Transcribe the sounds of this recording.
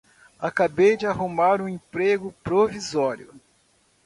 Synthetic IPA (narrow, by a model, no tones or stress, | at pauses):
akabejd͡ʒɪaɦumaɾũẽpɾeɡʊpɾovizɔɾjʊ